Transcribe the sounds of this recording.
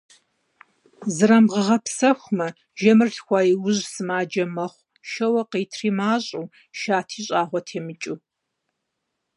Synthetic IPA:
zɨɾɐmʁəʁɐpsɐxʷmɐ | ʒɐmɨrɬxʷɑːjiwʊʑsɨmaːd͡ʒɐmɐχʷ | ʃɐwɐqiːtʰriːmaːɕʼuː | ʃaːtʰiːɕʼaːʁʷɔtʰeːmɨt͡ʃʼuː

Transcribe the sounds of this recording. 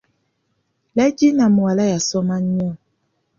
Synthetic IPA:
lɛd͡ʒinamualajasɔmaɲɔ

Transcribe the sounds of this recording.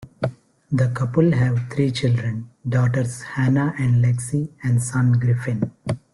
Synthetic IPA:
d̪əkʌpəlɦæʋt̪ʰɾiːt͡ʃɪlɖɾə̃nɖɔːʈəɾshænaʔɛ̃ɳɖleksiæ̃ɳɖsʌ̃nɡɾɪfɪ̃n

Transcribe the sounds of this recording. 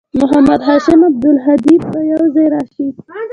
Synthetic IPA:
mʊɦamad̪ɦɑʃɪmab̚d̪ʊlɦad̪ib̪̚bəjawzɑjɾɑʃi

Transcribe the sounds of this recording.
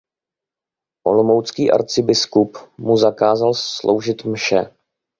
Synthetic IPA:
ʔo̞̰lomowt͡skiːʔa̰ɾt͡sɪbɪskupmuzakaːzalslʔo̰wʒɪt̪mʃɛ

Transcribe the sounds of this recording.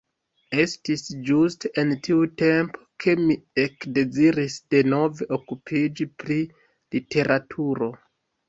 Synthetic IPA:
e̞stisd͡ʒustentʰiute̞mpʰo̥kʰe̞miekde̞ziɾisd̥e̞no̞veʔokupʰid͡ʒipɾi | litʰe̞ɾʔatʰuɾo̞

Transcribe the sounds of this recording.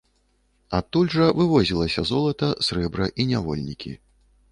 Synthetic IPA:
at̪ːulʲʐɐvɨvɔzʲilˠɐsʲɐzɔlˠɐt̪ɐsɾɛbɾɐʔinʲavɔlʲnʲikʲʰḭ

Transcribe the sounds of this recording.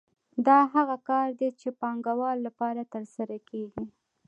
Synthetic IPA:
d̪ɑɦaɣakɑɾd̪et͡ʃepɑŋɡawɑlːapɑɾat̪əɾsaɾakʰeɡi

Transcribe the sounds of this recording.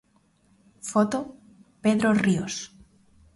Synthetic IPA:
fot̪o | peðɾorios

